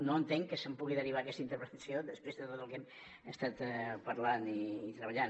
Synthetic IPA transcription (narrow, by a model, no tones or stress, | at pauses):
noənt̪eŋkəsəmpuɣ̞iðəriβ̞akɛst̪əint̪əɾpɾət̪əsjoðəspɾezðət̪ot̪əlˠkɛm | əst̪at̪pəɾlaniːt̪ɾəβəʎan